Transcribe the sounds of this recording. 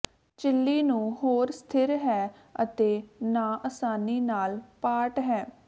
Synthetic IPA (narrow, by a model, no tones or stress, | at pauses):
t͡ʃɪlːiːnũːɦoːɾst̪ʰɪɾɦɛː | ə̰t̪eːnaːʔəsaːniːnaːlpaːʈɦɛː